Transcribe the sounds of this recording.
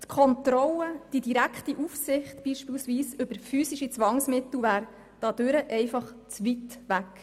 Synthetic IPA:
t̪kʰɔnt̪ɾɔləd̥idiɾækχtiʔufsɪχtb̥iːʃpiːlsʋiːsɵb̥əɾfyːsiʃit͡sʋɑŋsmɪt̪l̩ʋæːɾ | d̥ɑːd̥øɾəʔɛɪfɑχ | t͡sʋitʋæk

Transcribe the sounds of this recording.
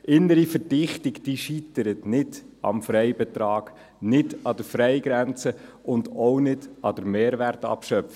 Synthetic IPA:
ʔɪnːəɾifəɾdɪχtɪɡd̥iʃit̪əɾətnɪd̥ | ɑ̰mfɾɛɪbɛtɾɑːɡ̥ | nɪdɑd̥əɾfɾɛɪɡɾænt͡sə | ʊndownɪdɑd̥əɾmeːɾværtɑ̰pʃœpf

